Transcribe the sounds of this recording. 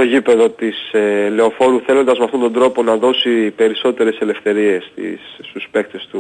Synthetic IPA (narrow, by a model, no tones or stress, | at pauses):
o̞ʝipe̞ðo̞t̪isele̞o̞fo̞ɾuθe̞lo̞nd̪ɐzmeɐft̪ond̪o̞nd̪ɾo̞po̞nɐðo̞sipe̞ɾiso̞t̪e̞ɾe̞se̞le̞fθe̞ɾie̞st̪ḭst̪uspe̞k̚t̪e̞st̪u